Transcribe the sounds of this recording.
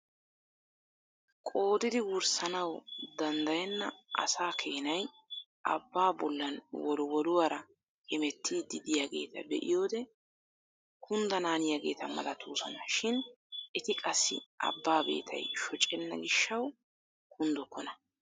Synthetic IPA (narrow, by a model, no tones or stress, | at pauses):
kʼo̞ːd̪ɪd̪ɪwʊɾsɐnɐwd̪ɐnd̪ɐjɛnːɐʔɐ̰saːkʰeːnɐj | ʔɐ̰bːaːbɔlːɐnwɔlʊwɔd̪ʊwaːɾɐ | kɛmɛt̪ːid̪ɪd̪ɪjaɡe̞̰ːt̪ʰɐ̰b̪ɛʔɪ̰jo̞ːd̪ɛ | kʰʊnd̪ɐnaːnɪjaɡe̞ːt̪ɐmɐ̰lɐt̪ʰuːsɔnɐʃɪn | ɛt̪ɪkʼɐsːɪ̰ɐ̰bːaːbe̞̰ːt̪ʰɐ̰jʃɔt͡ʃʼːɛnːɐ̰ɡɪʃːɐw | kʰʊnd̪ɔkːɔnɐ